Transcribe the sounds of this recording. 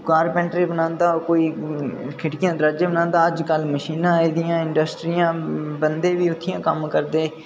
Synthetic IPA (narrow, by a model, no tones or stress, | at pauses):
kaːɾpɛ̃ːɳʈɾeːbənãːnd̪aːokoːiːkʰɪʈkɪjãːd̪əɾaːd͡ʒeːbənãːnd̪aːəd͡ʒkəlməʃiːnãːiːd̪ɪjãːɪɳɖəsʈɾiːãːbənd̪eːʋiːʊt̪ʰːɪjãːkəmkəɾd̪eː